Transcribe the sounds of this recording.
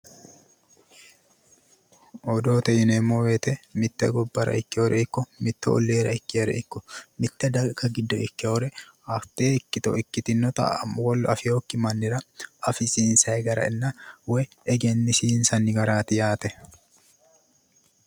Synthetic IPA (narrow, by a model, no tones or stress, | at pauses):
ɔd̪oːt̪ɐɪnɛmːoːweːt̪ɛmɪt̪ːɛ̰ɡɔbːɐɾɐ̰ʔɪkːɪɔɾɛɪkːɔmɪt̪ːɛ̰ɔ̰lːeːɾɐ̰ɪkːɾɛ̰ɪkːɔmɪt̪ːɛd̪ɐkːɐɡɪd̪ːɔɪkːɛɔɾɛ | ɐft̪eːɪkːɪt̪ɔɪkːɪt̪ɪnːɔt̪ɐ̰mwɔlːɐfɪoːkːɪmɐnːɪɾɐɐfɪsiːnsɐɛɡɐɾɐ̰ɪnːɐwɛ | ɛɡɛnːɪsiːnsɐnːɪɡɐɾaːt̪ɪjaːt̪ɛ